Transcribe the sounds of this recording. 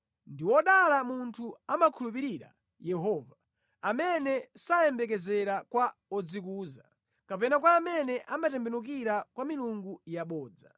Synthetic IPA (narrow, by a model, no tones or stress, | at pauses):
ndiwɔɗalamuntʰuamakʰulupiɾiɾa̰ | jɛɦɔːva | amɛnɛsajɛmbɛkɛzɛɾakwaɔd͡zik̬uːza | kapɛnakwaːmɛnɛʔamatɛmbɛnuk̬iɾakwamiluŋɡujaɓɔːd͡za̰